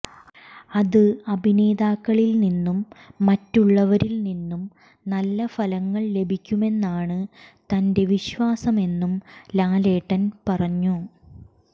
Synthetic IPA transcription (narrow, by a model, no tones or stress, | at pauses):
ɐðɨɐbʱine̞ːd̪aːkːɐɭilninːumːɐtːuɭːɐʋɐɾilninːum | nɐlːɐfɐlɐŋːɐɭle̞bʱikʲːume̞nːaːɳɨt̪ɐnde̞ʋiɕʋaːsɐme̞nːumlaːle̞ːʈːɐnpɐrɐɲːu